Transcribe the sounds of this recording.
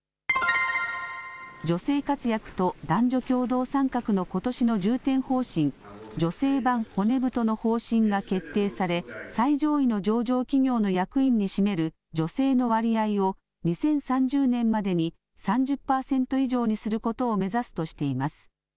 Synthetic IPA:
d͡ʑo̞se̞ːkat͡sɨjakɯ̟̥t̪o̞d̪ãɲd͡ʑo̞kʲo̞ːd̪o̞ːsãŋkakɯ̟no̞ko̞t̪o̞ɕino̞d͡ʑɨːt̪ẽ̞ɰ̃ho̞ːɕĩŋ | d͡ʑo̞se̞ːbãŋho̞ne̞bɯ̟t̪o̞no̞ho̞ːɕĩŋɡake̞t̪ːe̞ːsaɾe̞said͡ʑo̞ːino̞d͡ʑo̞ːʑo̞ːkʲiŋʲo̞ːno̞jakɯ̟ĩɲ̟ːiɕime̞ɾɯ̟ | d͡ʑo̞se̞ːno̞βaɾʲiaio̞ | ɲ̟isẽ̞ɰ̃sãɲd͡ʑɨːnẽ̞mːad̪e̞ɲ̟i | sãɲ̟d͡ʑɨpːaːsẽ̞nt̪o̞iʑo̞ːɲ̟isɨɾɯ̟ko̞t̪o̞ːme̞zasɨ̥t̪o̞ɕi̥t̪e̞imasɨ̥

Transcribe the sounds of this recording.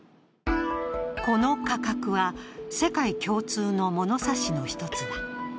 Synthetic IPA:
ko̞no̞kakakɯ̟βase̞kaikʲo̞ːt͡sɨːno̞mo̞no̞saɕino̞çi̥t̪o̞t͡sɨβa

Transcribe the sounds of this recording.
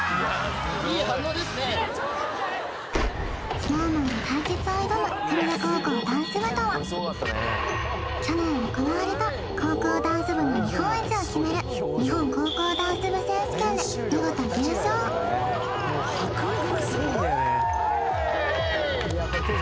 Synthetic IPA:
s | moːmõnok̪aiket͡sɨoid̪omokaɾaɾakoːkoːd̪ãɰ̃sɨβɯ̟t̪oβa | kʲonẽɰokonaβaɾet̪a | kʰo̞ːkoːd̪ãɰ̃sɨbɯ̟noɲ̟ihõɰ̃et͡siokʲime̞ɾɯ̟ | ɲ̟iɦõ̞ŋkoːkoːd̪ãɰ̃sɨbɯ̟sẽːsɨ̥kʲed̪e | j̪oɡot̪oɡ̪ẽɕoː | eko

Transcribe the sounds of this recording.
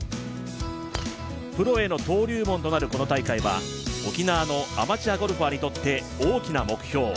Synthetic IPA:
pɯ̟ɾo̞e̞no̞t̪o̞ːɾʲɨːmo̞nt̪o̞naɾɯ̟ko̞no̞t̪aikaiβa̰ | o̞kʲinaːno̞a̰mat͡ɕiaɡo̞ɾɯ̟ɸaɲ̟it̪o̞t̪ːe̞ | oːkʲinamo̞kɯ̟̥çʲo̞ː

